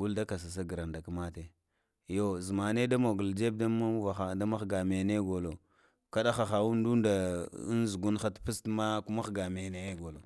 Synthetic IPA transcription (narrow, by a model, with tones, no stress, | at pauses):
ɡu˦lda˦ka˨s̬a˨s̬a˦ɡɾa˨nda˨ka˦ma˦te˨ | jo˦zi˨ma˨ne˦da˦mo˨ɡu˨ld͡ʒe˦b̚da˦ma˦va˨xa˨da˦ma˦xɡa˨me˨ne˦ɡo˨lo˨ | ka˦ɗa˦xa˨xa˨wu˦n˦du˦nda̰˨˦nzu˨ɡu˦n˦xa˦tpi˦stma˦ku˦ma˦xɡa˨me˨ne˨je˦ɡo˨lo˨